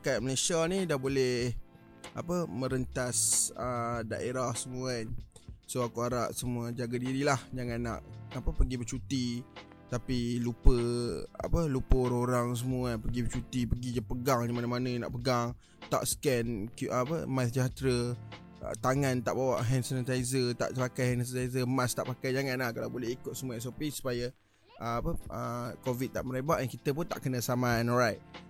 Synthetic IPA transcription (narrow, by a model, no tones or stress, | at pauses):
kajaʔ̚məlesianidahbolɛh | apəmə̃ɾənt̪asəda̰ʔeɾahsəmuansoakuaɾa̰ʔsəmuad͡ʒaɡadiɾilahd͡ʒaŋãnːa̰ʔapəpəɡibət͡ʃut̪i | t̪apilupəa̰pəlupəɾoɾaŋs̬əmuapəɡibət͡ʃut̪ipəɡid͡ʒapəɡaŋnimanamanəna̰ʔpəɡaŋ | t̪a̰ʔsə̥kɛnkuʔpəmasd͡ʒat̪ɾə | ə̰t̪aŋãnt̪aʔbawa̰ʔɦɛnsənət̪aizət̪a̰ʔtəpakajhɛnəsət̪ajzəmast̪aʔpakajd͡ʒaŋãnlahkalawbolɛhikʊt̪̚səmuaɛsopisu̥paja | ʔəapəʔəkovit̪̚t̪ːa̰ʔməɾebaʔɛnkit̪əp̬ʊnt̪a̰ʔkənə̃samãnɔɾajt̪̚